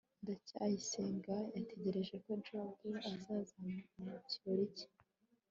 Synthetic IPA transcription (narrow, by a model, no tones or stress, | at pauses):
ndacajise̞ːŋɡajatʰe̞ɟe̞ɾe̞ʒe̞ko̞nt͡ʃoɡuazaːzamamucioɾice̥